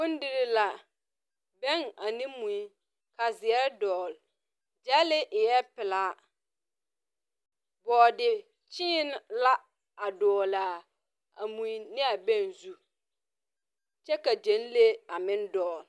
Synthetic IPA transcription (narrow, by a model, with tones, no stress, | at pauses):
kʊ̃˦n˦dɪ˦ɾɪ˦la˨ | bɛ˦˨ŋa˨nɪ̃˦mũ˨i˦ | ka˨zɪ˨ɛ˦ɾdɔː˨l | d͡ʒɛ˦lɪ˦ʔɪ˨jɛ˦pɪ˨laː˨˦ | bɔː˨dɪ˨ | t͡ʃɪː˦n˦la˦ | a˨dɔː˨la˨ | a̰˨mũ˨i˦nɪ˦a˨bɛ˦nzu˦ | t͡ʃɛ˦ka˨d͡ʒẽ˨˦n˦le˦a˨mɪ̃˦ndɔː˨l